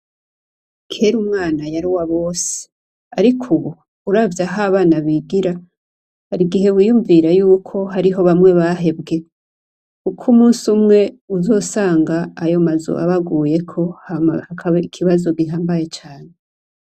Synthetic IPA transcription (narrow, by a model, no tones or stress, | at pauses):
kʰe̞ːɾumŋaːnajaɾiwaβo̞ːse̥ | aɾikʰuβu | uɾaːvjaɦaβaːnaβiɡiɾa | haɾiɡiɦe̞wiːjuɱviɾajuːkʰo̞ɦaɾiɦo̞βamŋe̞βaɦe̞bɡe̞ | kukʰumuːnsumŋe̞ | uzo̞ːsaːŋɡaːjo̞mazo̰ʔa̰βaɡuːje̞kʰo̞hahakʰaβaikʰiβazoɡiɦaːmbaje̞t͡ʃaːne